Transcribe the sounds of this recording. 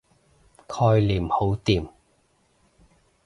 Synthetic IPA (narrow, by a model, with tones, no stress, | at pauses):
kʰɔː˧jliː˨˩mho˨˥wt̪iː˨˩m